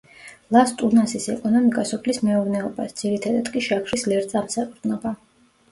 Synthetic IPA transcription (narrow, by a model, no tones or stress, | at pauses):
lˠast̪ʼunasisɛ̰kʼɔnɔmikʼasɔpʰlismɛuɾnɛɔba̰sd̪z̥iɾit̪ʰad̪ad̪kʼiʃakʰɾislɛɾt̪zʼamsapʼɾd̪nɔba